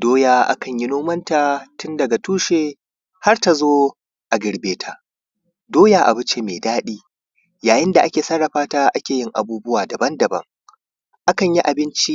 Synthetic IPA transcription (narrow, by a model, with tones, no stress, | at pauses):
doː˦jaː˦ʔa̰˦kɐ˨ɲji˦noː˦mɐ˦ntaː˨tʊ˦ndɐ˨ɡa˨tuː˦ʃe˨ | ha˦rta˨zoː˦ | ʔa˨ɡʲɪ˨ɽbeː˦tʰa˨ | doː˦jaː˨ʔa̰˨bʊ˦t͡ʃe˨meː˨daː˦ɗiː˦ | jaː˨jɪ˦nda˨ʔa˦kʲeː˨sɐ˦ɽːɐ˨ɸaː˦taː˦ʔa˦kʲeː˨jɪ˦ŋʔa̰˨buː˦bʊ˦waː˨dɐ˨bɐ˦ndɐ˨bɐ̰˦ŋ | ʔa˦kɐ˨ɲji˦ʔa˨bɪ˦nt͡ʃi˦